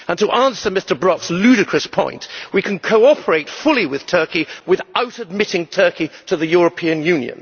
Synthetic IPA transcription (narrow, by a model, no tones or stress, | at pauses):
ə̃ntəʔæ̃nsə˞mɪstə˞bɹɑkslʉɾɨkʰɹ̥ɨspʰɔ̰̃ɪ̃ntwikʰɨ̃nkʰoʊɑpʰə˞eɪtfʊlˠiwɪð̥tʰɜ˞kiwɨðaʊɾɨd̚mɪɾɪ̃ŋtʰɜˑ˞kiɾəðɨjɔɹəpʰĩɨ̃njʉ̃njɨ̰̃n